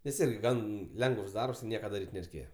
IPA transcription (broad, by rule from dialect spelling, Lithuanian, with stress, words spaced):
nʲɛs ˈɪrʲɡʲɪ ˈɡɐn ˈlʲɛŋɡəws ˈdɐrps ˈnʲiɛkɐ dɐˈrʲiːtʲ nʲɛrʲɛɪˈkʲeːjɛ